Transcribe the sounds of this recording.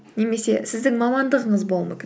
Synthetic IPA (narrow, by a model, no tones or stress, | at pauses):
ne̞me̞se̞sɪzd̪ɪŋmɑmɑnd̪əʁəɴəzbo̞lˠmɵkʲɪ